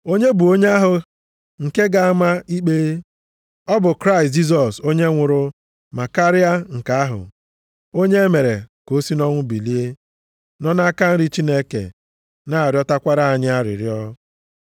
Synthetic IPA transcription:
o˦ɲe˦bu˨o˦ɲe˦a˦ɦʊ˨ | ŋ̩˨ke˦ɡa˨a˦ma˦i˦k͡pe˦ | ɔ˦bʊ˨kɾa˦ɪ˨st̚d͡ʒi˦s̬ɔ˨so˦ɲe˦ŋʷʊ˨ɾʊ˦ | ma˨ka˦ɾɪ˦a˦ŋ̩˨ka˨a˦ɦʊ̰˨ | o˦ɲe˦e˦me˨ɾe˨ko˦si˦nɔ˦ŋʷʊ˦bi˨li˦e˦ | nɔ˦na˦ka˦n̩˦ɾi˦t͡ʃi˦ne˦kḛ˨ | na˦a˨ɾjɔ˦ta˦kʷa˦ɾa˦a˨ɲɪ˦a˦ɾɪ̰˨ɾjɔ˦

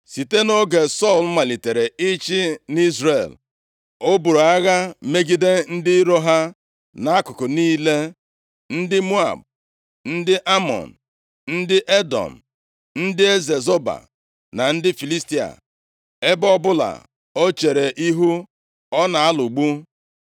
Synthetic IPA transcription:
si˨te˦no˦ɡe˨sɔ˦˨lma˨li˨te˨ɾe˨ɪ˦t͡ʃɪ˦ni˦zɾe˨l | o˦bu˨ɾo˨a˦ɣa˦me˦ɡi˦de˦n̩˦dɪ˦ɾo˦ɦa˦ | na˨a˦kʊ˨kʊ˨niː˦le˦ | n̩˦dɪ˦mu˦a̰˨b̚ | n̩˦dɪ˦ʔa˦mɔ̰˨n̩˨ | n̩˦dɪ˦ʔe˦dɔ̰˨m̩˨ | n̩˦dɪ˦e˦ze˨zo˦ba̰˨ | na˨n̩˦dɪ˦fi˨li˦sti˦a̰˨ | e˦bɔ˦bʊ˦la̰˨ | o˦t͡ʃe˨ɾe˨ʔi˦ɦu˦ | ɔ˦na˨a˦lu˨ɡ͡bu˦

